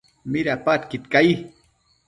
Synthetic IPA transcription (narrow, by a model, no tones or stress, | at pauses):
miɾapat̪kit̪kaj